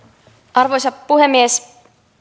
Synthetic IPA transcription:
ʔɑrʋo̞jsɑpːuɦemːies

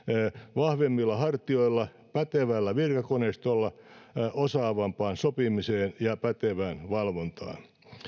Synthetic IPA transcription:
ʋɑhʋemːilːɑhɑrt̪ioilːɑ | pæt̪eʋælːæʋirkɑkonest̪olːɑosɑːʋɑmpɑːnsopimiseːnjɑpæt̪eʋænʋɑlʋont̪ɑ̰ːn

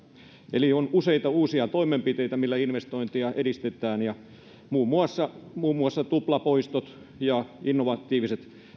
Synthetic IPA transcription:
ḛlionuseit̪ɑuːsiɑt̪oimempit̪eit̪æmilːæinʋest̪oint̪iɑʔedist̪et̪ˑæːnjɑ | muːmːuɑsːɑmuːmːuɑsːɑt̪uplɑpoist̪ot̪ | jɑinːoʋɑt̪ːˑiːʋiset̪

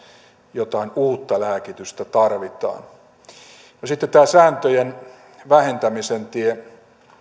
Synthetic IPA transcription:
jot̪ɑinuːt̪ːɑlæːkit̪yst̪æt̪ɑrʋit̪ɑ̰ːn | nosit̪ːett̪æːsæːnt̪øjen | ʋæhent̪æmisent̪ie

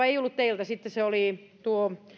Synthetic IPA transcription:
eiolːut̪t̪eilt̪æsit̪ːeseoli | t̪uo

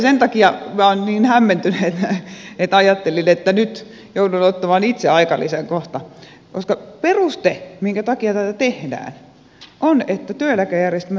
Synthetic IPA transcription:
sent̪ɑkiɑmiæonniːnhæmːent̪yneet̪et̪ɑjɑt̪ːelinet̪ːænyt̪ | joudunot̪ːɑmɑnit̪seɑikɑlːiseŋkoht̪ɑ | koskɑperust̪emiŋkæt̪ɑkiɑt̪æt̪æt̪ehdæ̰ːn | ʔonet̪ːæt̪yølækæjærjest̪m

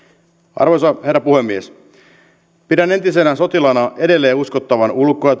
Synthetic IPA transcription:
ɑ̰rʋojsɑhe̞rːɑpuhe̞mːies | pidæne̞nt̪ise̞næso̞t̪ilɑnɑʔe̞de̞lːe̞ːuskot̪ːɑʋɑnulkːˑojɑ

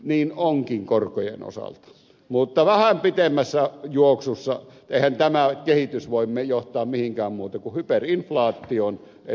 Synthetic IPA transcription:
niːnoŋkiŋkorkojḛno̰sɑ̰lt̪ɑ̥ | mut̪ːɑʋæhæmpit̪emːæsːæjuoksusːɑ | eˑihænt̪æmækehit̪ysʋoˑimmejoht̪ˑɑːmmihiŋkæːmmuːt̪ɑkuhyperinflɑːt̪ːˑion | e

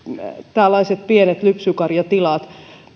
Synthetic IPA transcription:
t̪ælːɑiset̪̚pienet̪lypsykɑrjɑt̪ilɑt̪

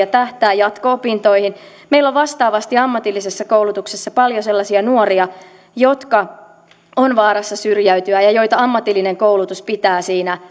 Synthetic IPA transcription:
ɑt̪æht̪æːjɑt̪koopint̪oihin | meilːoʋʋɑst̪ɑːʋɑst̪iɑmːɑt̪ilːisesːɑkoulut̪uksesːɑpɑljoselːɑsiɑnuoriɑ | jot̪kɑ | onʋɑːɾɑsːɑsyrjæyt̪yæjɑjo̞jt̪ɑɑmːɑt̪ilːineŋkoulut̪uspit̪æːsiːnæ

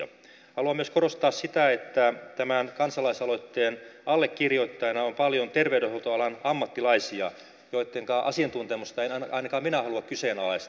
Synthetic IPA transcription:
ɑ̰ | hɑluɑmyøskorost̪ɑːssit̪æet̪ːæt̪æmænkɑnsɑlɑisɑloit̪ːeːnɑlːekkirjoit̪ːɑjnɑompɑljont̪erʋewdehot̪oɑlɑnɑmːɑt̪ːilɑisiɑ | joit̪ːeŋkɑːʔɑsient̪unt̪emust̪ɑenɑnɑinɑkɑːminæhɑluɑkkyseːnɑlɑis

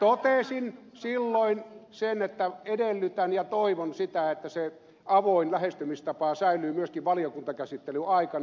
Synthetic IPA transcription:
t̪ot̪esin | silːoinsenet̪ːæedelːyt̪ænjɑt̪oiʋonsit̪æet̪ːæse | ɑʋoinlæhest̪ymist̪ɑpɑsæˑylˑyːmyøskiʋʋɑlijokunt̪ɑkæsit̪ːelyɑˑikɑn

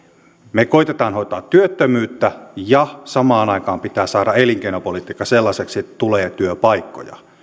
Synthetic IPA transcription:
mekoit̪et̪ɑːnhoit̪ɑːt̪ːyøt̪ːømyːt̪ːæjɑsɑmɑːnɑikɑːmpit̪æːsɑːɾɑeliŋkeinopolit̪iːkːɑselːɑseksiet̪ːæt̪uleːt̪yøpɑikːo̰jɑ̰

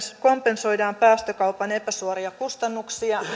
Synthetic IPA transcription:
ko̞mpe̞nso̞jdɑːmpæːst̪økɑupɑne̞pæsuoɾiɑkust̪ɑnːuksiɑ

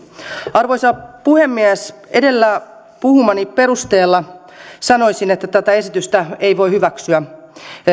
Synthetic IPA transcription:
ɑrʋojsɑpuhemːiæsedelːæ | puhumɑnipeɾust̪eːlːɑ | sɑno̞isinet̪ːæt̪æt̪æesit̪yst̪æeiʋoihyʋæksyæ

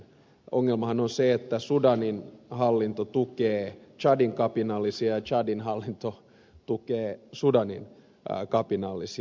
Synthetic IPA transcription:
oŋːelmɑhɑnonseet̪ːæsudɑninhɑlːint̪ot̪ukeːt͡ʃɑdiŋkɑpinɑlːisiɑɑt͡ʃɑdinhɑlːint̪o | t̪ukeːsudɑnḭn | kɑpinɑlːˑisi

